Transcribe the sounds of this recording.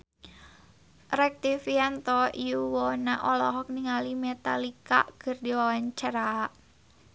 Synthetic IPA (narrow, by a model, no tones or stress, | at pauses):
rɛk̚t̪ifiant̪ɔiuwɔnaʔɔlɔɦɔk̚niŋalimet̪alika̰ʔɡ̥ə̤rdiawaɲt͡ʃaɾaʔ